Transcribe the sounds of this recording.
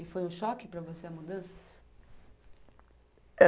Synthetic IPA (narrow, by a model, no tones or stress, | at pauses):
ɪfojũʃɔkɪpɾɐvoseɐmud̪ɐ̃sɐ̥ | ɛ